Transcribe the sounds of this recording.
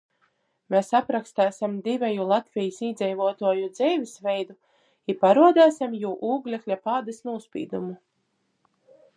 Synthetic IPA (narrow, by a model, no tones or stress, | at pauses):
mɛsapɾakst̪æːsʲimd̪ivʲɛjulˠat̪vʲijisiːd̪zɛjvuɔt̪uɔjud̪zɛjvʲisvɛjd̪u | ipaɾuɔd̪æːsʲamjuːʔuːɡlʲɛklʲapaːd̪asnuɔspʲḭːd̪umu